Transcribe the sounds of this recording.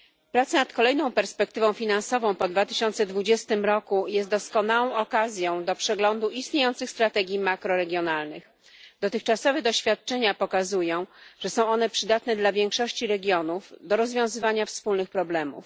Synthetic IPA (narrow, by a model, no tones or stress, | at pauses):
pɾat̪sanat̪kɔlɛjnɔ̃w̃pɛɾspɛk̚t̪ɘvɔ̃w̃fʲinansɔvɔ̃w̃pɔd̪vat̪ɘɕɔnt̪sɛd̪vud͡ʑɛst̪ɘmɾɔkujɛst̪d̪ɔskɔnawɔ̃w̃ɔkazʲjɔ̃w̃d̪ɔpʂɛɡlɔnd̪uʔist̪ɲejɔnt̪sɘxst̪ɾat̪ɛɡʲjimakɾɔɾɛɡʲjɔnalnɘx | d̪̥ɔt̪ɘxt͡ʂasɔvɛd̪ɔɕfʲjat̪̚t͡ʂɛɲapɔkazujɔ̃w̃ʐ̥ɛsɔ̃w̃ɔnɛpʂɘd̪at̪nɛd̪lavʲjɛŋkʂɔɕt͡ɕiɾɛɡʲjɔnufd̪ɔɾɔzvʲjɔ̃w̃zɘvaɲafspulnɘxpɾɔblɛmṵf